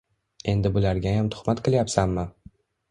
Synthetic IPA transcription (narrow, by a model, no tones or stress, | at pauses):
e̞nd̪ɪbʊlaɾɡʲajamt̪ʰʊ̥χmat̪qʰɨlˠjapsanmɪ